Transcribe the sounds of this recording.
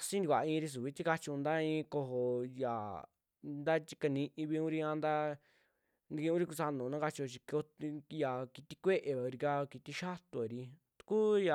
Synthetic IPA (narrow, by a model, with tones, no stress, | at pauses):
sĩ˦nd̪ʷa̰˨˧ĩ˧ɾi˧s̬u˨βi˦t̪i˦ka˧t͡ʃu˧nd̪a˦ĩ˧ko˧ɦo˧ja̰˨ | nd̪a˦t͡ʃi̥˧ka˧nĩ˧ʔĩ˧βi˧ũ˦ɾi˧ã˧nd̪a˦ | nd̪i˧ki˧ũ˦ɾi˦ku˧sa˧nõ˨˧nã˦ka˧t͡ʃi˧o˧t͡ʃi˧ko˧tja˨ki˧t̪i˧kʷe˦ʔe˨βa˨˧ɾi˧ka˧ki˧t̪i˧ʃa˦t̪o˧e˨ɾi˧ | t̪u̥˧ku˦ja˨